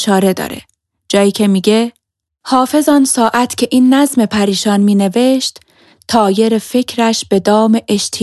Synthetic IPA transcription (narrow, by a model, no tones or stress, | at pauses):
ʃɒːɾe̞d̪ɒ̰ːɾḛ | d͡ʒɒːjiːcʰe̞miːɟe̞ | hɒːfe̞zɒːnsɒːʔæt̪ʰcʲʰe̞ʔiːnːæzme̞pʰæɾiːʃɒːnmiːne̞ve̞ʃt̪ | t̪ʰɒːje̞ɾefe̞cʰɾæʃb̥e̞d̪ɒːme̞ʔeʃt̪ʰi